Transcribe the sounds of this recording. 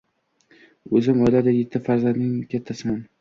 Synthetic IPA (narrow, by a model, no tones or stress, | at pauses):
ɵzɪmɒjlad̪ajet̪ʰːɪfaɾzand̪nɪŋkʲʰet̪ʰːasɪman